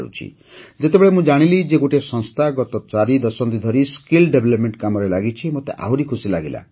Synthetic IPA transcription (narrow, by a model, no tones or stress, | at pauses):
ɾṵt͡ʃʰḭ | d͡ʒet̪ebeɭemũd͡ʒaɽ̃ilid͡ʒeɡoʈesɔ̃ŋst̪ʰaɡɔt̪ɔt͡ʃaɾid̪ɔsɔnt̪id̪ʱɔɾiskilɖebʱelɔpmeɳʈkamɔɾelaɡit͡ʃʰimot̪eʔa̰ɦwɾikʰusilaɡila̰